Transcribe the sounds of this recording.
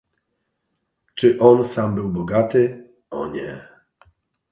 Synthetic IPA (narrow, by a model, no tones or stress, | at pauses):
t͡ʂɘʔɔnsambɘwbɔɡat̪ɘ | ɔ̰ɲɛ